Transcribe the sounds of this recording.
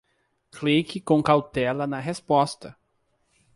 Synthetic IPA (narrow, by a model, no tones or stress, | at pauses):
klikɪkõkawt̪ɛlɐnɐɦespɔst̪ɐ